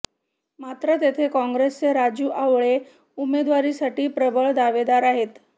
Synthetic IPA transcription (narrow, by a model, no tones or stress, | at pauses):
mat̪ɾət̪et̪ʰekɔ̃ŋɡɾest͡seɾad͡ʑjuːʔaʋɭe | umed̪ʋaɾisaʈiːpɾəbəɭd̪aʋed̪aɾaɦet̪